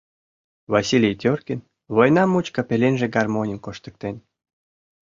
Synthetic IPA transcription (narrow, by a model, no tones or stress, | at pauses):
vasilʲejt̪ʲørkʲin | vojnɑmut͡ɕkɑpʲelʲenʲʒeɡɑrmonʲinʲkoʃt̪ə̥̆k̚t̪enʲ